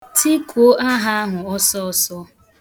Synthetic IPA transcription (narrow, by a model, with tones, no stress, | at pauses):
tʰi˦kʰo˦ʔa˦ɦa˦a˦ɦʊ˨ɔ˦sɔ˦ɔ˨sɔ˦